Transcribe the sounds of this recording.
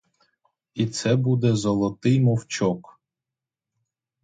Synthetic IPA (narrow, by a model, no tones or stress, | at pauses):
it̪sɛbud̪ɛzɔlˠɔt̪ɪjmɔwt͡ʃɔk